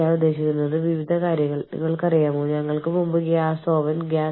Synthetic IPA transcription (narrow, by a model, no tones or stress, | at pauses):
aːnud̪ːe̞ːɕikʲːunːɐðɨʋiʋid̪ʱɐkaːɾjɐŋːɐɭnḭŋːɐɭkɐrijaːmoɲɐŋːɐɭkɨmumbukːɐjaːsoːʋɐnɡaː